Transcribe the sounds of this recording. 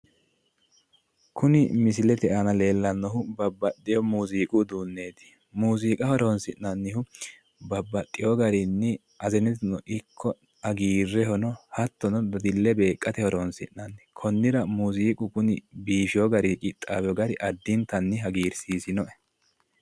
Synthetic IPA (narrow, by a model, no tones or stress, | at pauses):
kʰʊnɪmɪs̬ɪlɛt̪ɛʔɐnɐle̞ːlːɐnːɔhʊbɐbːɐt̪ʼːɪjɔmuːziːkʼʊd̪uːnːeːd̪ɪ̥ | muːziːkʼɐhɔɾɔnsɪnːɐnːɪhʊ | bɐbːɐt̪ʼːɪjɔɡɐɾɪnːɪ | ɐzɛnɛt̪ɪnɔʔɪkʰːɔ | ɐɡiːrːɛhɔnɔhɐt̪ːɔnɔd̪ɐd̪ɪlːɛbe̞ːkʼːɐt̪ɛhɔɾɔnsɪʔːɐnːɪkʰɔnːɪɾɐmuːziːkʼʊkʊnɪbiːʃɪjɔɡɐɾɪkʼɪt̪ʼːaːbɛjɔɡɐɾɪʔɐd̪ːɪnt̪ɐnːɪɦɐɡiːɾsiːsɪnɔʔɛ̥